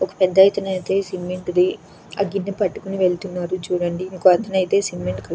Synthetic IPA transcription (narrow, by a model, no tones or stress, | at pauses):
ɔkɐ̥pɛd̪ːɐjt̪ɐnɐjt̪e̞ːsimːeɳʈd̪i | ɐɡinːɐpɐʈːu̥kuniʋe̞ɭt̪unːaːɾut͡ʃuːɽɐɳɖiniːkuɐt̪ʰɐnɐjt̪e̞ːsimːeɳʈkɐ